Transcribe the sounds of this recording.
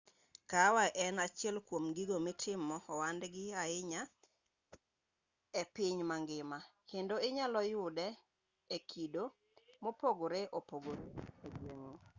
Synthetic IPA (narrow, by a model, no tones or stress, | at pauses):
kawaʔɛnat͡ʃɪɛlkwomɡiɡomɪtʰɪmɔːwandɡɪaɪɲa | ɛpɪɲmaŋɡɪmakendoɪɲalɔjʊdɛ | ekʰido | mopoɡoɾeʔopoɡoɾeedweŋo